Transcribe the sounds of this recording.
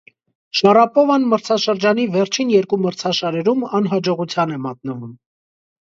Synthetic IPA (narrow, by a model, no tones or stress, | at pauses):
ʃɑɾɑpɔvɑnməɾt͡sʰɑʃəɾd͡ʒɑnivɛɾt͡ʃʰinjɛɾkuməɾt͡sʰɑʃɑɾɛɾumɑnɦɑd͡ʒɔʁut͡sʰjɑnɛmɑt̪̚nəvum